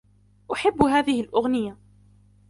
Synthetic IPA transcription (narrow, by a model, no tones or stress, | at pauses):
ʔʊħabːɦaːðɪhɪlʔʊɣnɪja